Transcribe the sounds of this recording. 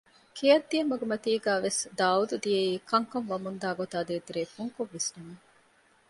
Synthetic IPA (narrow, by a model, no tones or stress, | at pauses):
kʰijɐd̪ːijɐmːɐɡemɐt̪iːɡæːʋesd̪aːud̪ud̪ijeiːkɐŋkɐŋʋɐmund̪aːɡot̪aːd̪eːt̪iɾeːfuŋkoʋːesnɐme